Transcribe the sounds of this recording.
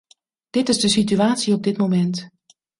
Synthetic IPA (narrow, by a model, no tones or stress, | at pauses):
d̥ɪtɪzdəsityaːtsiɔp̚dɪtmomɛnt